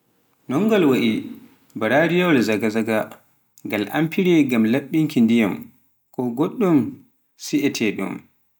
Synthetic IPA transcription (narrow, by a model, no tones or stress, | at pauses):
nɔŋɡɔlwaʔi | baɾaɾijɔlzaɡazaɡa | ŋɡalʔa̰mpiɾiɡamlaɓːiŋkindijam | kɔɡoɗːum | siʔɛtʰɛɗṵm